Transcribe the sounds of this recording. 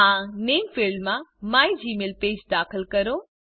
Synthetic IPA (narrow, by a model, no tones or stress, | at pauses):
ãneːmfɪlɖmãmaːid͡ʑiːmeːlpeːd͡ʑd̪aːxəlkɐɾo